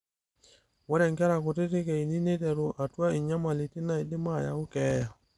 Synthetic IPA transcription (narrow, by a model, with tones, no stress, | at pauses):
wɔ˦ɾɛ˨ŋka˦ɾa˨ko˨te˦te˦kɛ˨i˨ni˦ne˦tɛ˨ɾu˨ʔa˨twa˦i˨ɲa˦ma˨li˨ti˦na˦˨i˨dɪ˦ma˦˨ja̰˨˦ʊ˦kɛ˦ja˨